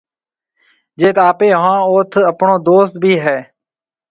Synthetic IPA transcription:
d͡ʒeːt̪aːpeːɦʋãːoːt̪ʰəpɳoːd̪oːst̪̚bʱiːɦɛː

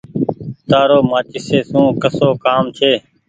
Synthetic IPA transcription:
t̪aːɾoːmãːt͡ʃɪseːsũːkəsoːkaːmt͡ʃʰeː

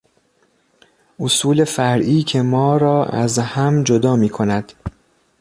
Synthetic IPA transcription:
ʔosuːle̞fæɾʔiːcʰe̞mɒːɾɒːæ̰zhæmd͡ʒod̪ɒːmiːkʰo̞næd̪̥

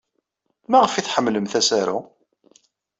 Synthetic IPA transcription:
mæʁəfiθħəmːləmθæsæɾṵ

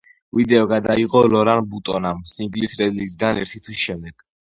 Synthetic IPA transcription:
vid̪ɛɔɡad̪aiqɔlɔɾanbut̪ʼɔnamsiŋɡlisɾɛd̪lizid̪anɛ̰ɾt̪ʰit̪ʰwisʃɛmd̪ɛɡ̥

